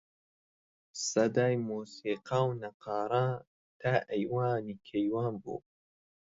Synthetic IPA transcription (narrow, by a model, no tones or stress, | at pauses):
sɐd̪aːjmuːsiːqaːwnɐqɑːɾˤaː | t̪ʰaːʔɐjwaːniːkʰejwaːnbṵː